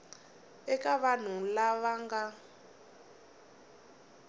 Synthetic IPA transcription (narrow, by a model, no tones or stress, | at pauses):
ɛkaβan̤ulaβaŋɡa